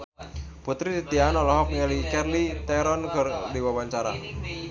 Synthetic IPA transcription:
put̪ɾit̪it̪ianɔlɔɦɔp̚ŋəlikɛrlit̪ɛɾɔnkərdiwawaɲt͡ʃaɾa̰

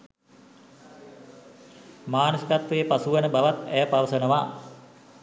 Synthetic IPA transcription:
maːnusikat̪ʋejəpasuʋənəbaʋat̪æjəpaʋəsənəʋaː

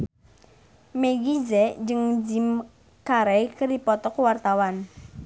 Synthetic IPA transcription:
meɡizɛʔd͡ʒəŋd͡ʒim | kaɾɛjkərdipɔt̪ɔkwart̪awan

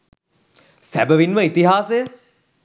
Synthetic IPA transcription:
sæ̰bəʋinməit̪iɦaːsejə

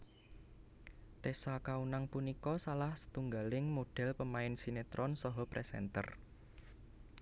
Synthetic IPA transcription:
t̪esakaunaŋpunikɔsalahsə̥t̪uŋɡalɪŋmoɖ̥ɛ̤lpəmaɪnsinet̪ɾɔnsɔɦɔpɾʔɛsɛ̰nt̪ə̰r

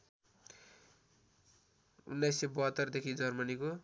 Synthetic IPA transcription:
ṵnːajsːebʌɦʌt̪ːʌrd̪ekʰid͡zʌrmʌniko

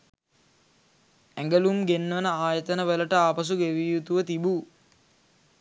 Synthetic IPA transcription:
æŋɡəlumɡenːʋənəaːjət̪ənəʋələʈəaːpɐs̬uɡeʋiːjut̪uʋət̪ibu

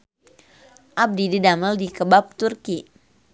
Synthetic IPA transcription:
ʔab̚dididaməldikəbap̚t̪urki

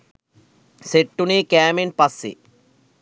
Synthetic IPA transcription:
seʈːunikaːminpɐsːḭ

